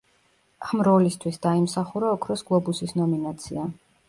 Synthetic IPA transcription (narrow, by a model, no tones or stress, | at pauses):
amɾɔlist̪ʰwisd̪aimsaχuɾaɔkʰɾɔsɡlˠɔbusisnɔminat̪sʰia